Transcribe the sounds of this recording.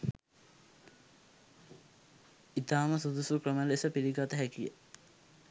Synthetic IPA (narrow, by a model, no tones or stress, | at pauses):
it̪aːməsud̪usukɾəməlesəpiɾiɡat̪əɦækijə